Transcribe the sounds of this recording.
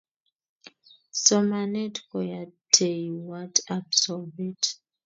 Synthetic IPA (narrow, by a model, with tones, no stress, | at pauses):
sɔ˨ma˨nɛ˦tkɔ˨ja˨tʰe˨wa˦ta˨bsɔve˦t